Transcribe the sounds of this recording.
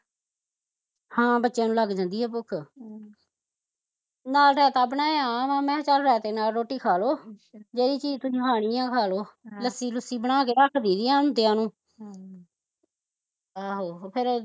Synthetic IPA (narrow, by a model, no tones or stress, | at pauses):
hãːbətːʃãːnũːləɡd͡ʒãːnd̪iːɦɛːpʊkʰ | naːlɾɛːt̪aːbnaːeãːmãːmɛ̃ːt͡ʃəlɾɛːt̪eːnaːlɾoːʈːiːkʰaːloːd͡ʒeːɾiːt͡ʃiːd͡ʒt̪ʊsĩːɦaːɽ̃iːãːkʰaːloːləsːiːlʊsiːbəɽ̃aːkeːɾəkʰd̪iːd̪iːãːnũːt̪ɪãːnũː | aːɦoːpʰɪɾ